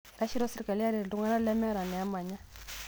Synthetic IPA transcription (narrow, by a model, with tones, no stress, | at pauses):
ɾa˦ʃi˦ɾɔ˦si˦ɾi˨ka˨li˦a˦ɾi˨ɾlu˦ŋɡa˦na˦lɛ˦mɛ˦ɾa˨nɛ˨a˦ma˨ɲa˦